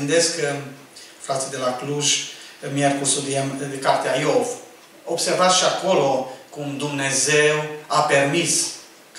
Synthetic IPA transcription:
ɨnd̪e̞sk | fɾat̪sid̪e̞lakluʒmjerkusud̪iemekart̪eajov | obse̞rvat̪sʃiako̞lo̞kumd̪umne̞zewape̞rmis | k

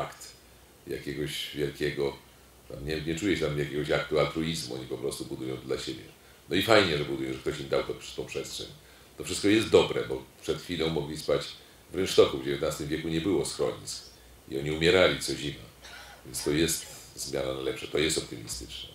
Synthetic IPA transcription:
akt̪ | ja̰kʲɛɡɔɕvʲjɛlkʲɛɡɔ | t̪a̰mɲɛɲɛt͡ʂujɛt̪amjakʲɛɡɔɕak̚t̪ualt̪ɾuizmuɔ̰ɲipɔpɾɔst̪ubud̪ujɔ̃w̃d̪laɕebʲjɛ̰ | nɔifajɲɛʐɛbud̪ujɔ̃w̃ʐɛkt̪ɔɕimd̪awt̪ɔpt̪ɔ̃w̃pʂɛstʂɛ̰ɲ | t̪ɔfʂɘst̪̚kɔjɛst̪̚d̪ɔbɾɛ̰bɔpʂɛt̪xfʲilɔ̃w̃mɔɡlʲispat͡ɕ | vɾɛnt͡ʂt̪ɔkuvd͡ʑevʲjɛt̪nast̪ɨmvʲjɛkuɲɛbɘwɔsxɾɔ̰ɲit̪sk | ḭɔɲiumʲjɛɾalʲit̪sɔʑima̰vʲjɛnst̪ɔjɛst̪zmʲjananajlɛpʂat̪ɔjɛst̪ɔp̚t̪ɨmʲist̪ɘt͡ʂnɛ̰

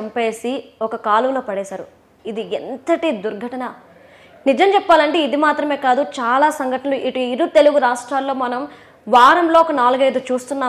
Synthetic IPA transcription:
ɐmpe̞ːsiɔkɐkaːluʋloːpɐɽɛːsaːɾṵ | id̪ient̪ɐʈid̪uɾɡʱɐʈɐnɐ | nid͡ʒɐmt͡ʃɛpːaːlɐɳʈeːid̪imaːt̪ɾɐme̞ːkaːd̪ut͡ʃaːlaːsɐŋɡʱɐʈɐnɐluʔiʈuiɾut̪e̞luɡuɾaːʂʈɾaːlːo̞ːmɐnɐm | ʋaːɾɐmlo̞ːɔkɐnaːluɡɐjd̪ut͡ʃuːst̪unːaː

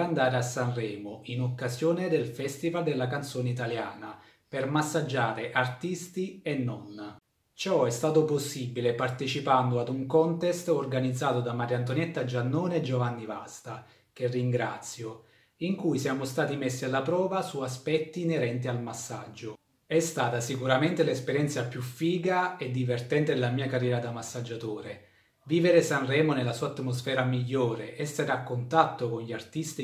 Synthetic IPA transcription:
and̪aːɾeasːanrɛːmʊinokːazjɔːned̪elfɛst̪ivald̪elːak̬ant̪soːneit̪̬aljaːna | permasːad͡ʒːaːɾeʔart̪ist̪iɛnːɔn | t͡ʃɔɛst̪aːt̪ʊposːibilepart̪et͡ʃipand̪ʊad̪uŋkɔnt̪ɛst̪orɡanid̪zːaːt̪ʊd̪amaɾjant̪̬onɛt̪ːad͡ʒanːɔːneɛd͡ʒovanːiva̰st̪a | k̟erːiŋɡɾa̰t̪sːjo | iŋkujsjaːmost̪aːt̪imesːialːapɾɔːvasuaspɛt̪ːiːneɾɛnt̪ialmasːa̰d͡ʒːo | ɛst̪aːt̪asikuɾament̪elespeɾjɛnt̪sapjufːiːɡaed̪ːivert̪ɛnt̪ed̪elamiːakarːjɛːɾad̪amasːad͡ʒːat̪oːɾe | viːveɾesanrɛːmonelasuːat̪mos̬fɛːɾamiʎːoːɾeʔɛsːeɾeakːont̪at̪ːokonʎiart̪ist̪i

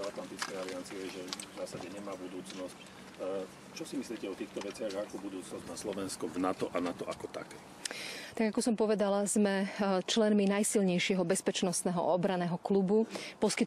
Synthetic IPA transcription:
at̪lant̪it͡skɛjaliant͡siɛɛʒɛzaːsaɟɛɲɛmaːbud̪uːt͡snɔsc | t͡ʃɔsimisliːcɛɔt̪iːxt̪ɔʋɛt͡sɪaɣakɔbud̪uːt͡snɔzmaːslɔʋɛnskɔvnat̪ɔʔanat̪ɔʔakɔt̪a̰kɛ | t̪aɡakɔsɔmpɔʋɛd̪alazmɛt͡ʃlɛnminajsilɲɛjʃɪɛɦɔbɛspɛt͡ʃnɔst̪nɛːɦɔ̰ʔɔbɾanɛːɦɔklubupɔskit̪

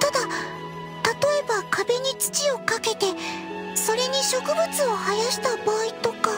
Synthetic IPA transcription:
t̪ad̪a | t̪at̪o̞e̞bakabe̞ɲ̟it͡sɨ̥t͡ɕio̞kake̞t̪e̞ | so̞ɾe̞ɲ̟iɕo̞kɯ̟bɯ̟t͡sɨo̞hajaɕi̥t̪abaːit̪o̞ka

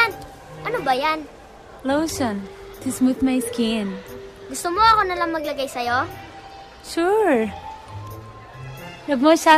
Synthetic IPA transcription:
n | ʔɐnobɐjan | lowsɔn | t̪ʰɪsmut̪̚majskɪn | ɡʊst̪omoɐkonɐlaŋmɐɡlɐɡajsɐjo | ʃuɹ | lɐɡ̚mosa

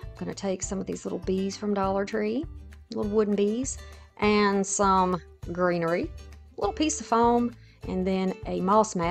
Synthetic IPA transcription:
ɪ̃mɡ̥ʌñɨtʰeɪksʌ̃mʌvðḭzlɪ̰ɾl̩ˠbiz̥fɹʌ̃mdɔlˠə˞tʰɹ̥ilɪɾl̩ˠwʊdⁿn̩biz̥ | ʔɨ̃nsʌ̃m | ɡɹĩnə˞i | lɪɾl̩ˠpʰisʌv̥fõʊ̃m | ʔɨ̰̃nðɨ̃nɨmɑsmæ

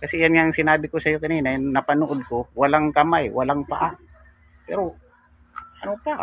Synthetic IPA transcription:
kɐsɛjanŋaʔŋsɪnaːbɪkosɐjokɐniːnajnɐpɐnoʔod̪̚kowɐlaŋkɐmajwalaŋpaʔa | pɛɾo | ʔɐnopaʔ

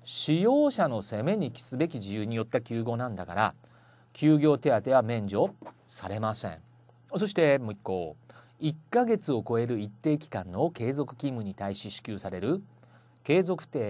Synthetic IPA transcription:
ɕijo̞ːɕano̞se̞me̞ɲ̟ikʲi̥sɨbe̞kʲiʑijɯːɲ̟ijo̞t̪ːakʲɨːɡʲo̞ːnãnd̪akaɾa̰ | kʲɨːɡʲo̞ːt̪e̞at̪e̞βamẽ̞ɲ̟d͡ʑo̞ː | saɾe̞masẽ̞̰ɴ | so̞ɕi̥t̪e̞moikːo̰ː | ikːaɡe̞t͡sɨo̞ko̞e̞ɾɯ̟it̪ːe̞ːkʲi̥kãnːo̞ke̞ːzo̞kɯ̟̥kʲĩmːɯ̟ɲ̟it̪aiɕiɕi̥kʲɨːsaɾe̞ɾɯ̟ | ke̞ːzo̞kɯ̟̥t̪e̞ː

